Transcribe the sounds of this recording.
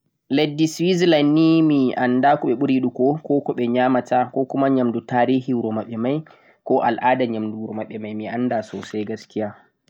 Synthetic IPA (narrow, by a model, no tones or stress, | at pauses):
ledːiswizlanːimiʔandakɔɓɛɓuɾiɗukɔkɔːkɔɓɛɲaːmatʰakɔkumaɲamdutaːɾiːhiɾɔmaɓɛmaj | kɔʔa̰lʔaːdaɲamduɾɔmaɓɛmajmiʔandasɔsajɡaskija